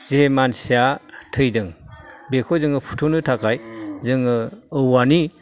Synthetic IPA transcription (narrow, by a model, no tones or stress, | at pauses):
zemansiatʰɯjdɯŋbekʰɔzɯŋɯpʰu̥tʰonɯtʰakʰajzɯŋɯɯwani